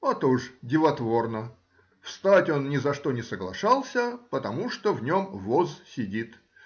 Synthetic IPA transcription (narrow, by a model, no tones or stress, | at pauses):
at̪oʐdʲɪvɐt̪vo̞rnə | fst̪atʲo̞nnʲɪzɐʂt̪o̞nʲɪsəɡlˠɐ̰ʂɑlˠsʲəpət̪ɐmuʂt̪ovnʲomvozsʲɪdʲit̪